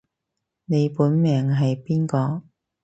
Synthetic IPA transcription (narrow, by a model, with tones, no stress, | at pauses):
ne˨˧jpuː˨˥nmɛː˨ŋɦɐ˨jpiː˥nkɔː˧